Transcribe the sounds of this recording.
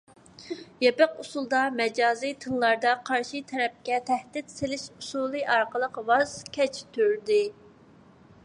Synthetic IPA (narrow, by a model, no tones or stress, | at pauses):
jɛpəqusulˠd̪ɑmɛd͡ʒɑːzɨjt̪ʰɨlˠːɑɾd̪ɑqʰɑɾʃit̪ʰɛɾɛp̚kʲɛt̪ʰæhd̪ɪt̪selɪʃusulˠɨɑɾqəlˠəqwɑzkʲʰɛt͡ʃʰt̪ʰyɾd̪ɪ